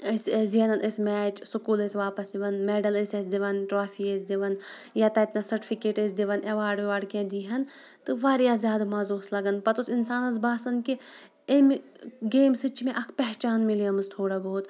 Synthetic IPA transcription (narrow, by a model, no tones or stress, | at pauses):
əsziɐnɐnʔəsmɛːt͡ʃsukuːlesʲʋaːpɐsiʋɐnmeːɖɐləsesd̪iʋɐnʈɾaːfʰiesd̪iʋɐn | jaːt̪ɐit̪nasɐɾʈi̥fʰikeːʈezd̪iʋɐneʋaːɖʋaːɖkẽd̪iːɦɐn | t̪ɨʋaːɾjaːzʲjaːd̪amaːzoːslɐɡɐnpɐt̪usinsaːnɐs̬baːsɐnki | em | ɡeːmsɨt͡ʃmẽʔɐkʰpɛɦt͡ʃaːnmilijɐmɨst̪ʰoːɽaboːt̪